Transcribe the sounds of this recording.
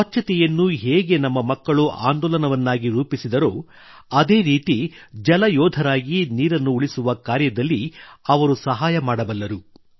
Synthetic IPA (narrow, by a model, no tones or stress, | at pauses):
ɐt͡ʃʰːɐt̪ɛjɐnːuɦeːɡe̞nɐmːɐmɐkːɐɭuʔa̰ːnd̪ɔːlɐnɐʋɐnːaːɡiɾuːpisid̪ɐɾo̞ː | ɐd̪e̞ːɾiːt̪id͡ʒɐlɐjɔːd̪ʱɐɾaːɡiniːɾɐnːuːɭisuʋɐkaːɾjɐd̪ɐlːiɐʋɐɾusɐɦaːjɐmaːɽɐbɐlːɐɾu